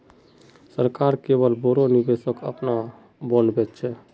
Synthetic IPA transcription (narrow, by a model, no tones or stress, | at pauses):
səɾkaɾkeβəlboɾonibesəkə̰pna | bənbɛt̪t͡ʃʰɛ